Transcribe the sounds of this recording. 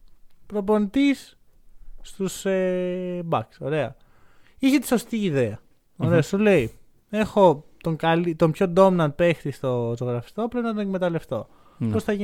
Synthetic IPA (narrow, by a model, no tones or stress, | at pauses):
pɾo̞po̞nit̪isː | t̪usebɐkso̞ɾe̞ɐ | içet̪i̥so̞st̪iːðe̞ɐ | oɾeosule̞i | e̞xo̞t̪o̞ŋkɐlit̪o̞mpço̞d̪o̞mnɐnpe̞xt̪ist̪o̞ozoɣɾɐfi̥st̪o̞pɾe̞pinɐt̪onekme̞t̪ɐle̞ft̪o̞ | po̞sθɐʝi